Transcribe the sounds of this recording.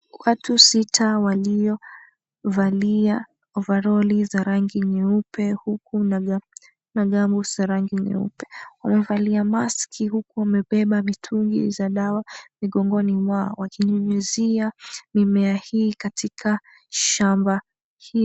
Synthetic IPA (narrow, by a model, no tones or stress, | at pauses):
watusitʰawaliɔ | valia | ɔvaɾɔlizaɾaŋɡiɲɛupʰɛhukun | naɠambuz̥aɾaŋɡiɲɛ̰ṵpɛ̥wa̰mɛvaliamaskʰihukuwamɛɓɛɓamitʰuŋɡḭzaɗawamiɠɔŋɡɔnimwaɔ̰wakiɲɔɲɛziamimɛahiːkatʰikʰa | ʃamba | hi